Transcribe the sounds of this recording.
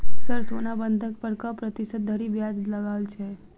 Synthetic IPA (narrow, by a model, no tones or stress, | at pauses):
səɾsonabənd̪ʱək̚pəɾkəpɾət̪isət̪̚d̪ʱəɾibjad͡ʒləɡalt͡ʃʰe